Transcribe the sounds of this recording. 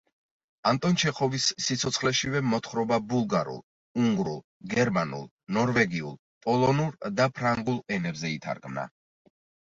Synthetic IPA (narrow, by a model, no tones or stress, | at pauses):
ant̪ʼɔnt͡ʃʰɛχɔvisːit̪sʰɔt̪sʰχlɛʃivɛmɔt̪ʰχɾɔbabulˠɡaɾṵlˠ | uŋɡɾṵlˠ | ɡɛɾmanṵlˠ | nɔɾvɛɡiṵlˠ | pʼɔlˠɔnuɾd̪apʰɾaŋɡulˠɛnɛbzɛit̪ʰa̰ɾɡmna̰